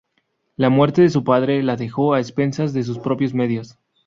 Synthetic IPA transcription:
lamwe̞ɾt̪e̞ðes̬upað̞ɾe̞laðe̞xo̞aespe̞nsazðes̬uspɾo̞pjozme̞ðjo̞s

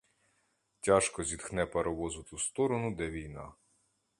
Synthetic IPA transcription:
tʲɑʃkɔzʲid̪xnɛpeɾɔʋɔzʊt̪ust̪ɔɾɔnʊd̪ɛʋʲijnɑ̰

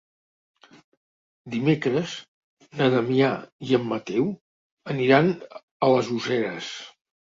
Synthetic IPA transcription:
d̪imekɾəz | nəðəmiaiəmːət̪ɛw | əniɾan | ələzuzɛɾəs

